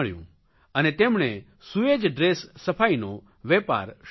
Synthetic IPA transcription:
ɭjṵ̃ | ənet̪emɳ̃e | sued͡ʒɖɾesːəpʰaino | ʋepa̰ɾʃ

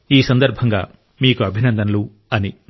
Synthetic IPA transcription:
iːsɐnd̪ɐɾbʱɐŋɡa̰ː | miːkuɐbʱinɐnd̪ɐnɐlu | ɐni

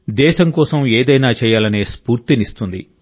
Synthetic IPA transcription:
d̪ɛːʃɐŋkɔːsɐmeːd̪ɐjnaːt͡ʃɛːjaːlɐneːspuːɾt̪inist̪und̪ḭ

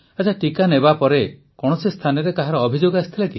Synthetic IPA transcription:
at͡ʃʰaʈikanebapɔɾe | kɔɽ̃ɔsist̪ʰanɔɾek̪aɦaɾɔːbʱid͡ʒoɡast̪ʰilaki

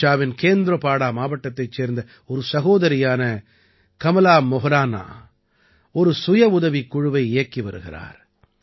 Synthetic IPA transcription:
aːʋɪnkeːnd̪ɪɾɐpaːɽaːmaːʋɐʈːɐt̪ːɐɪt͡ʃːeːɾnd̪ɐ | ɔɾɯsɐɣoːðɐɾɪjaːnɐ | kɐmɐlaːmɔɦɐɾaːna̰ː | ɔɾɯsʊjɐʊðɐʋikːʊɻʊʋɐɪɪjɐkːiʋɐɾɯɣɪɾa̰ːɾ

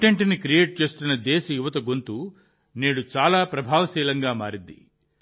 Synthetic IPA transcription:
ʈeɳʈnikɾijeːʈ̚t͡ʃe̞ːst̪unːɐd̪eːsɐjuʋɐt̪ɐɡont̪u | neːɽut͡ʃaːlaːpɾɐbʱaːʋɐsiːlɐŋɡaːmaːɾid̪ːḭ

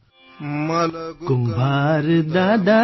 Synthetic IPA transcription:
kʊmbʱaːɾɨd̪aːd̪a

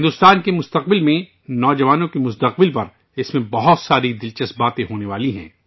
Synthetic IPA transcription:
ɦɪ̃nd̪ʊst̪aːnkemʊst̪ɐq̚bɪlmẽ | nɔːd͡ʒɐʋaːnõkemʊst̪ɐq̚bɪlpɐɾ | ɪsmẽbɐɦʊt̪saːɾid̪ɪlt͡ʃɐsbaːt̪ẽɦoːneʋaːliɦɛ̰̃ː

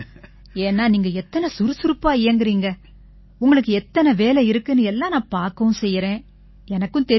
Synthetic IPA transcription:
eːnːaːniːŋɡɐɛt̪ːɐnɐsʊɾɯsʊɾɯpːaːeːŋɡɪɾiːŋɡɐ | ʊŋɡɐɭɯk̬ːɯɛt̪ːɐnɐʋeːlɛɪɾɯkːɯnɯɛlːãːnãːpaːɾkɐʊ̃sɛjːɾẽː | ɛnɐkːɯ̃nt̪ɛ

